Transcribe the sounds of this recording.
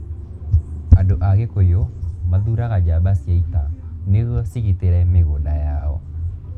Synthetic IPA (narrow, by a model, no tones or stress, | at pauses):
adoʔaɣekojomaðuɾaɣad͡ʒabasiɛitaneɣɔsiɣiteɾɛmeɣodajaɔ̰